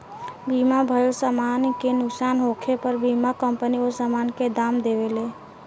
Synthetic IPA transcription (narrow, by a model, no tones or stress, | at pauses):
bimabʱəjsamankenʊksanɦokʰepəɾbimakəmpəniosamanked̪aːmd̪eʋele